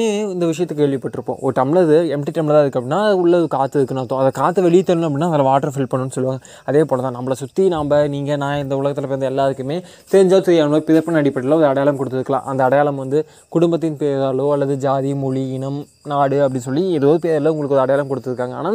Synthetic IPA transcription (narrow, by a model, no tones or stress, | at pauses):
eːɪnd̪ɐʋɪʂɐjɐt̪ːɯkːkːeːɭʋɪpːɐʈːɪɾɯpːõ̰ːʔɔ̰ɾɯʈɐmɪɭɐðɯɛmʈiʈɐmɪɭɐðaːɪðɯkːɐpːɐɽɪnːaːɐðɯʊɭːɐɔðɯkaːt̪ːɯɪɾɯkːɯnaːt̪ːõːɐðɐkaːt̪ːɯʋɛɭɪjt̪ːɐlnɐpɐɽɪnːaːɐðɐlɐʋaːʈːɐɾfɪlpɐɳːɯnːɯsɔlːɯʋaːŋɡɐ | ɐðeːpoːlɐt̪ãːnɐmbɐɭɐsʊt̪ːinaːmbɐniːŋɡɐnãːɪnd̪ɐʊlɐɣɐt̪ːɪlɐpeːɐnd̪ɐɛlːaːðɯkːɯmeː | t̪ɛɾɪɲd͡ʒaːsɛjaːnoːpɪðɐpːɐnɐɽɪpːɐɽlːɐɔɾɯɐɽɐjaːlɐmkɔɽɯt̪ːɯðɯkːɐlã̰ːʔɐnd̪ɐɐɽɐjaːlɐmʋɐnd̪ɯ | kʊɽʊmbɐt̪ːɪnpeːɾaːloːɐlːɐðɯd͡ʒaːðimʊɭiɪnɐm | naːɽɯɐpːɐɽɪns̬ɔlːiɛðoːðɯpeːɾlɐʊŋɡɐɭɯkːɯɔɾɯɐɽɐjaːlɐmkɔɽɯt̪ːɯðɯkːaːŋɡɐa̰ːnaː